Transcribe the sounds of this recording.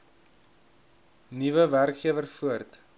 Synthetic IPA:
nivəværkχiəvərfuərt

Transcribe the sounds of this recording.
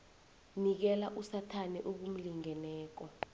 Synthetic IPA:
nik̬ɛlaʔusatʰanɛʔuk̬um̩liŋɛnɛːk̬ɔ

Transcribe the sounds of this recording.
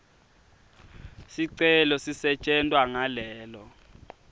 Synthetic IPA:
siǀɛlɔsisɛt͡ʃʼɛntʼwaŋalɛːlɔ

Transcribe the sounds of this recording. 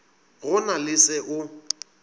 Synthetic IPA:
ɣʊnalɪsɛʔʊ

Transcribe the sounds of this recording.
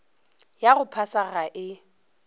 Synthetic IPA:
jaɣʊpʰasaɣaʔɪ

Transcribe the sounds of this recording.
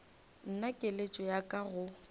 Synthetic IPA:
n̩nakʼelet͡ʃʼɔjakʼaɣʊ

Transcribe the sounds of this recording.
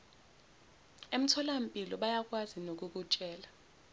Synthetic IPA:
em̩tʰɔlam̩pʼilɔɓajak̬ʼwazinok̬uk̬ut͡ʃʼɛːla

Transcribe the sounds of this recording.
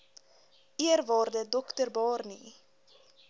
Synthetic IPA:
iərvɑːrdədɔktərbɑːrnḭ

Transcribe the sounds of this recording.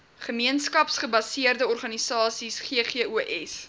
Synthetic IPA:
χəmiənskɐpsχəbɐsiərdəɔrχɐnisɑːsisχeəχeəʔuʔɛs

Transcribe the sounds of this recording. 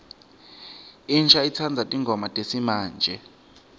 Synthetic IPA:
inʃʰait͡sʰand͡zʱatʼiŋɡʱɔmatʼesimaːnd͡ʒʱɛ

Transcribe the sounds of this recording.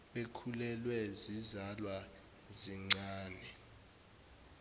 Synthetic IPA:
ɓekʰulɛlwɛzizalwa | ziŋ͡ǀaːnɛ

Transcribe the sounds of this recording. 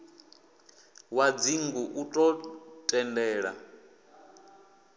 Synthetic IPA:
wad͡ziŋɡuʔutʼɔtʼɛndɛːɺa̰

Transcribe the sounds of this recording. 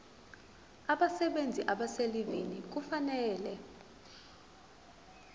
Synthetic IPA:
aɓasɛɓend͡zʱiʔaɓaselivinik̬ufanɛːlɛ

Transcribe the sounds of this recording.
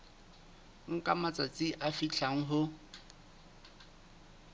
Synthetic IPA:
ŋ̩kʼamat͡sʼat͡sʼɪʔafit͡ɬʰaŋ̩ɦʊ

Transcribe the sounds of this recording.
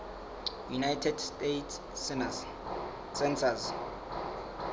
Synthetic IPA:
junajtʰɛdstetː | sɛnsaz

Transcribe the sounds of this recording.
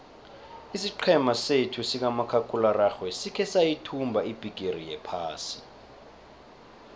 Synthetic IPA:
isiǃʰɛmasetʰusik̬amakʰakʰʼularaxwɛsikʰɛsajitʰumbʱaib̥ʱiɡ̥ʱerijɛpʰaːsi

